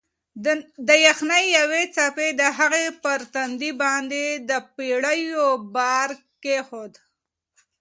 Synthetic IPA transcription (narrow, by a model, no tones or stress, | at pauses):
d̪əjaxnajjawet͡saped̪əɦaɣepəɾt̪and̪ibɑnd̪ed̪əpiɽəjobɑɾ | kexod̪